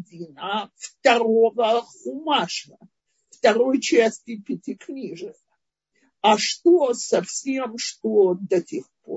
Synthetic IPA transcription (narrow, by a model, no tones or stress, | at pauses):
dinaftɐrovɐχumaʂɐ | ftɐɾojt͡ʃʰasʲtʲipʲɪtʰʲikʰnʲiʐɨχ | aʂtʼosɐfsʲemʂtʼodɐtʰʲeχpʰo̰r